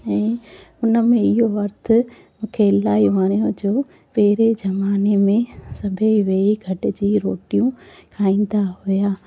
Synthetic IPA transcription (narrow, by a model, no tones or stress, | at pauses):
ɛ̃ːʊnəmẽɪɦoʋɐɾt̪ʰʊ̆ | mũːkʰeɪlaːiʋaːɽ̃ijõd͡ʑoː | pɛɦɪɾed͡ʑɐmaːnemẽsɐbʱeʋeːiɡʱɐʈɪ̆d͡ʑiːɾoːʈijũkʰaːĩːn̆d̪aɦʊjaː